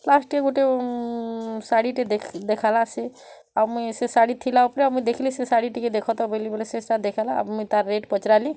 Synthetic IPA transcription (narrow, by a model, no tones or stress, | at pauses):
lasʈieɡoʈe | saɽiʈed̪ekʰd̪ekʰalase | abmujsesaɽit̪ʰilaupɾeamujd̪ekʰlisesaɽiʈiked̪ekʰɔt̪abelibolesesʈad̪ekʰalaa̰bmujt̪aɾːeʈpɔt͡ʃɾali